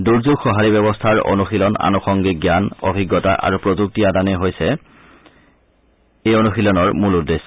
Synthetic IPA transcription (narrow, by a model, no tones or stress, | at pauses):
duɹzuɡxɔɦaɹibɛbɔstʰaɹo̰nuxilɔna̰nuxɔŋɡiɡjanɔ̰bʱiɡːɔta̰ʔa̰ɹupɹozuk̚tiadanɛɦojsɛ | ejonuxilɔnɔɹmuludes